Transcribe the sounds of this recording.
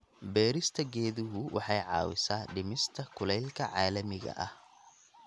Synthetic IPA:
bɛːɾɪst̪ʰɐɡɛːðʊɦʊwʔɑ̰ħɑjʕɑ̰ːwɪ̰saːɖɪmɪst̪ʰɐkʰʊlɛjlkʰɐʕɑːlɐmɪɣɐ̰ʔɐh

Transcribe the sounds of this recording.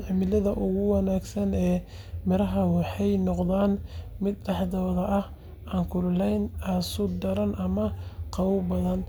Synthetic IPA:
ʕɪmɪlɐðɐʔʊɣʊwɑnaːɡsɐnɛː | mɪɾɐɦɐwɑħɑjnɔqðaːnmɪd̪dɑħd̪ɐːðɐʔɐh | ʔaːŋkʰʊllɛjnasʊd̪ɐɾɐnʔɐmɐqɑwʊbɐðɐn

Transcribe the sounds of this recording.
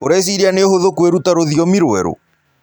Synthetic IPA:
oɾɛes̬iɾianeoɦhoðokuweɾutaɾoðiɔmiɾwɛɾo̰

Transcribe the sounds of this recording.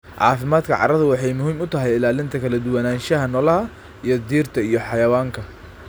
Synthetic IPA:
ʕɑ̰ːfɪmaːd̪kʰɐʕɑ̰ɾɐðʊwɑħɑjmʊɦiːmʊt̪ʰɐɦɛjɪlaːlɪnt̪ʰɐkʰɐlɐd̪ʊwɐnaːnʃɐɦɐnɔlɐɦɐ | ijɞd̪iːrt̪ʰɐijɔħɑjɐwaːŋkʰɐ

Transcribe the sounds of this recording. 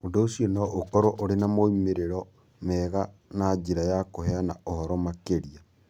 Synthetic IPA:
odoːsjonɔʔokɔɾoʔoɾenamoimeɾeɾɔ | mɛɣanad͡ʒiɾajakoheanaohɔɾɔmakeɾia

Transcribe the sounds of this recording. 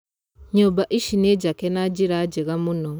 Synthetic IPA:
ɲobaʔiʃined͡ʒakenad͡ʒiɾad͡ʒeɣamunoŋ

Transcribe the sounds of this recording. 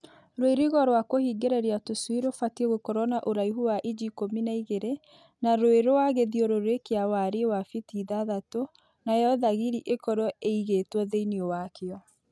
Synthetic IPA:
ɾoeɾiɣɔɾwakohiɡeɾeɾiatoswiɾofatieɣokɔɾɔnaʔoɾaiɦuwaʔid͡ʑikominaiɣeɾe | naɾoeɾowaɣeðiɔɾoɾekeawaɾewafitiːðaðato | najɔðaɣiɾiʔekɔɾɔeiɣetwɔðeiniowakeɔ

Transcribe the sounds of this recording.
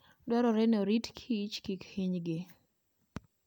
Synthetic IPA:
dwɛɾɔɾɛnoɾitkʰit͡ʃkikhiɲɡɪ

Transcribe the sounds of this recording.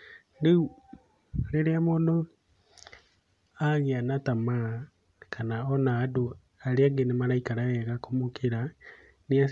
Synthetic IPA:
leu | leɾeamodo | aɣianatama | kʰanaɔnaːdo | aɾeaɡenemaɾaikaɾajɛɣakomokʰeɾa | nia

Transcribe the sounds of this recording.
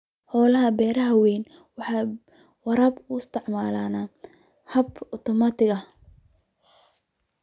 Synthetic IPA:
hɔːlɐɦɐbɛːɾɐɦɐwɛjn | wɑħɑː | wɐɾɐːbʊɪst̪ʰɪʕmaːlaːna | hɐbɔt̪ʰɔmat̪ʰɪɣɐ

